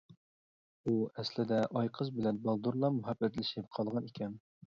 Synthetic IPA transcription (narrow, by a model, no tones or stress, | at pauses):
uɛslɪd̪ɛʔɑjqʰəzbɪlɛnbɑlˠd̪uɾlˠɑmʊɦɑbːɛt̪lɪʃɪp̚qʰɑlˠʁɑnikʲɛn